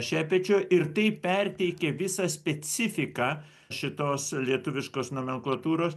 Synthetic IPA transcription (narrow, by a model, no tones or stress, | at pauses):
ʃʲæːpʲɛːt͡ʃʲoːʔɪɾt̪ɐɪpʲɛrʲt̪ʲɛɪkʲeːʋʲɪsɐsʲpʲɛt͡s̪ʲɪfʲɪkɑː | ʃʲɪt̪oːslʲiɛt̪ʊʋʲɪʃkoːsnoːmʲɛŋklˠɐt̪uːɾoːs